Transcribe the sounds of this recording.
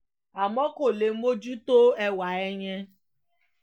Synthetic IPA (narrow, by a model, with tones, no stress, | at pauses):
a˨mɔ˦ko˨le˨m̩˦mo˦d͡ʒu˦to˦e˦wa˨e˦ɲe˦